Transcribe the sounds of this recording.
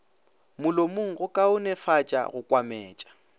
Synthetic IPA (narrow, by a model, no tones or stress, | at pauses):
mʊlomʊŋ̩ɣʊkʼaʊnɛfat͡ʃʼa̰ɣʊkʼwamɛːt͡ʃʼḁ